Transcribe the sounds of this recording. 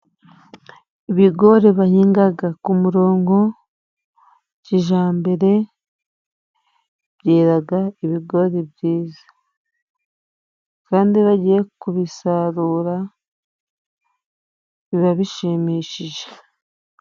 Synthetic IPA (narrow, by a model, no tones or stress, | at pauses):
iβiɡo̞ɾeβahiːŋɡaɡakumuɾo̞ːŋɡo̞ | ciʒaːmbeɾe̞ | bɟeːɾaɡaiβiɡo̞ɾebɟiːzḁ | kaːndiβaɟije̞kuβisaɾuːɾa | βiβaβiʃemiʃiʒe̥